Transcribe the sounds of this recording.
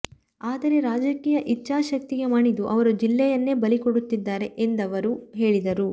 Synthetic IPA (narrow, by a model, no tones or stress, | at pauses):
aːd̪ɐɾe̞ɾaːd͡ʒɐkiːjɐʔit͡ʃːaːʃɐk̚t̪iɡe̞maːɳid̪uʔɐʋɐɾud͡ʒilːɛjɐnːe̞ːbɐlikoɽut̪ːid̪ːaːɾe̞ʔend̪ɐʋɐɾuɦe̞ːɭid̪ɐɾu